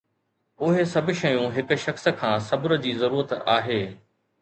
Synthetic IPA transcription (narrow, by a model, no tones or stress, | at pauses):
ʊɦesɐb̆ʱʃɐjũɦɪk̆ʃɐxsə̆kʰãːsɐbʊɾə̆d͡ʑiːzɐɾuːɾət̪a̰ːɦeː